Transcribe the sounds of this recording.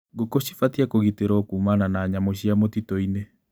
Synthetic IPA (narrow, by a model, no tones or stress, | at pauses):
ɡokoɕi̥fatiakoɣiteɾɔːkuːmananaːɲamoɕiamotitɔine